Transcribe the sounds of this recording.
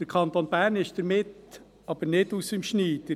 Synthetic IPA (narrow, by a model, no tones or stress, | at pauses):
əɾkʰɑnt̪onbæːɾnɪʃd̥əɾmɪt | ɑb̥əɾnɪdusɪmʃniːtə